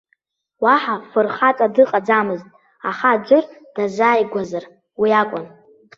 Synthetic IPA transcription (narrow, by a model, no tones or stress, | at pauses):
waħafɨrχat͡sʼadɨqʼad͡zamɨztʼ | aχad͡ʒʷɨrd̥azaːjɡʷazar | wiakʷʼʊn